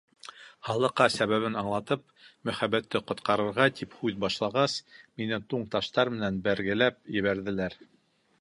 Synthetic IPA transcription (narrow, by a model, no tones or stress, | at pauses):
hɑlˠɤ̆qːɑsæβæβɘnɑɴlˠɑt̪ɤp̚ | mɵ̆χæbæt̪ːɘqŏt̪qɑɾɤ̆ɾʁɑt̪ʰiphʉðbɑʃlˠɑʁɑsminɘt̪uɴt̪ɑʃt̪ɑɾmɘ̆nænbæɾɡɘ̆læp̚jɘ̆βæɾðɘ̆læɾ